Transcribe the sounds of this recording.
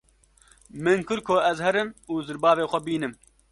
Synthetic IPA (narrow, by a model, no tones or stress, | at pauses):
mɨnkɨɾkʰoɛzhɛɾɨmuːzɨɾbɑːveːxʷɛbiːnɨm